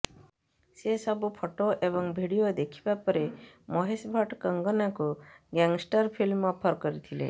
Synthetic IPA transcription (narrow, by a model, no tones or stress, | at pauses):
sesɔbupʰoʈoʔebɔŋbʱiɽijod̪ekʰibapəɾemɔɦesbʱaʈkəŋɡənakuɡɛŋɡsʈəɾpʰilmːɔpʰəɾkɔɾit̪ʰilḛ